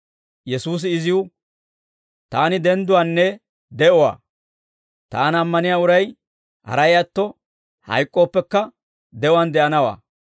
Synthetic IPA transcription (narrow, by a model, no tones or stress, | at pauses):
jɛsuːs̬ɪɪzɪʊ | t̪aːnɪd̪ɛnd̪ʊwanːɛ | d̪ɛʔɔwa̰ː | t̪aːnɐmːɐnɪjaːʊɾɐj | hɐ̰ɾɐjat̪ːɔ | hɐ̰jkʼːo̞ːpːɛkːɐ | d̪ɛɔwɐnd̪ɛʔɐnɐwa̰ː